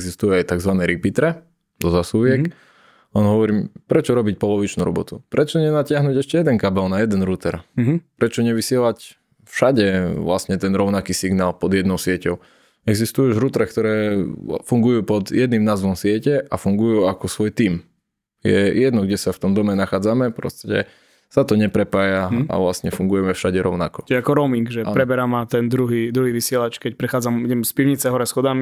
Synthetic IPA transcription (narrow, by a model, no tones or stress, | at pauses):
ɡzist̪ujɛajt̪aɡzʋanɛɾipit̪ɾɛ | d̪ɔzasuʋɪɛk | ɔnɦɔʋɔɾiːpɾɛt͡ʃɔɾɔbic̚pɔlɔʋit͡ʃnuɾɔ̰bɔt̪upɾɛt͡ʃɔɲɛnacɪaɦnuːɟɛʃcɛjɛd̪ɛŋkabɛlnajɛd̪ɛnɾut̪ɛɾpɾɛt͡ʃɔɲɛʋisɪɛlac | fʃaɟɛʋlasɲɛt̪ɛnɾɔʊnakiːsiɡnaːlpɔd̪jɛd̪nɔʊsɪɛcɔʊ | ɛɡzist̪ujuuʒɾut̪ɾɛkt̪ɔɾɛːfuŋɡujuːpɔd̪jɛd̪nimnaːzʋɔmsɪɛcɛʔafuŋɡujuakɔsʋɔjt̪iːm | jɛ̰jɛd̪nɔɡɟɛsaft̪ɔmd̪ɔmɛnaxaːd͡zamɛpɾɔ̰st̪cɛ̰ | sat̪ɔɲɛpɾɛpaːjaa̰ʋlast̪ɲɛfuŋɡujɛmɛfʃaɟɛɾɔʊna̰kɔt͡ʃɛakɔɾɔmiŋɡʒɛpɾɛbɛɾamat̪ɛnd̪ɾuɦiːd̪ɾuɦiːʋisɪɛlat͡ʃkɛcpɾɛxaːd͡zamiɟɛmspiʊɲit͡sɛɦɔɾɛsxɔd̪ami